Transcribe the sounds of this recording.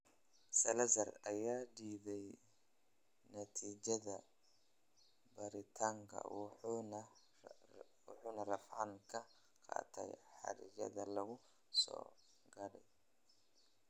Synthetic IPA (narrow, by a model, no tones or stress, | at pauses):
sɐlɐzɐrɐjaːɖiːðɛj | nɐt̪ʰiːt͡ʃɐðɐ | bɐɾɪt̪ʰaːŋkʰɐ̰ | wʊħuːnɐrɐfʕɑŋkʰɐ | qʰɑ̰ːt̪ʰɛ̰jħɑ̰ɾɪ̰jɐ̰ðɐlɐɣʊ | sɔ̰ː | ɡɐɽɛ̰j